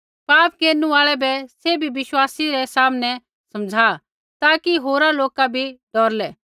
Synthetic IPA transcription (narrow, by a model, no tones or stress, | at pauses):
paːp̚keːɾnuaːɭɛbɛsebʱibɪʃwaːsiɾɛsaːmnɛ | sɐmd͡zʱaː | t̪aːkiɦoːɾaloːkabʱiɖɔːɾlɛː